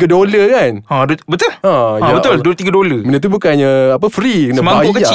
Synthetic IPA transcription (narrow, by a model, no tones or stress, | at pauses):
ɡədoləkanãdobət̪ʊlãjabət̪ʊldulət̪iɡədoləmənət̪̬ubukanɲaap̬əfɾikənəmaakəi